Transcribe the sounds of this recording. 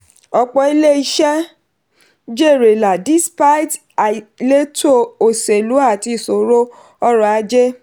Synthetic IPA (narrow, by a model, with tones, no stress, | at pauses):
ɔ˧k͡pɔ˧i˦le˦i˦˧ʃɛ˦ | d͡ʒe˦˨ɾe˨la˨di˨˦spa˦jt | a˨le˦to˦o˨se˨lu˨˦a˦˨ti˧˨so˨ɾo˦ | ɔ˦ɾɔ˦a˧d͡ʒe˦